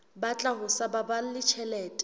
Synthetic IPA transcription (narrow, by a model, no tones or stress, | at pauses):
bat͡ɬʼaɦʊsababalɪt͡ʃʰɛlɛːtʼ